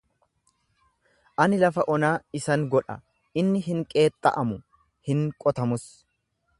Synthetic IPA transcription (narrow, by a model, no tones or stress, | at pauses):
ʔɐnɪlɐfɐʔɔnaːɪsɐŋɡɔᶑɐ̰ | ɪnːɪɦɪŋkʼe̞ːt̪ʼːɐ̰ʔɐmʊ | hɪŋkʼɔt̪ɐmʊs